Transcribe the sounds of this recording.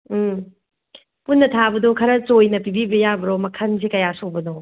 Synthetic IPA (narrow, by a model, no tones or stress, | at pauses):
m̩ | punːɐtʰabɐdokʰɐɾɐt͡ʃojnɐpibibɐjabɐɾomɐkʰɐns̬ekɐjasok̚bɐdo